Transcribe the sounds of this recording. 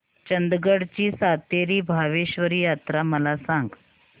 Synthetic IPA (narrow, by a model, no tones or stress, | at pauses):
t͡ɕənd̪ɡəɽt͡ɕiːsat̪eɾiːbʱaʋeɕʋəɾiːjat̪ɾaməlasãŋɡ